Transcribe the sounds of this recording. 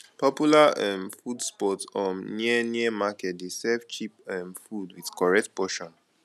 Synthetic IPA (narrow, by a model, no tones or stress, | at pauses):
pɔpjulaɛ̃mfudspɔtɔ̃nniɛniəmakɛt̚desɛvt͡ʃipɛ̃mfudwiðkɔɹɛk̚tpɔʃɔ̃n